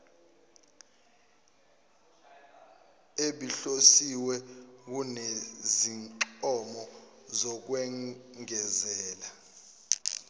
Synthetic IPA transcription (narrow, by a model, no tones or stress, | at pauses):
eɓiɬosiwɛk̬uneziŋǃɔmɔzɔk̬wɛŋɛzɛːla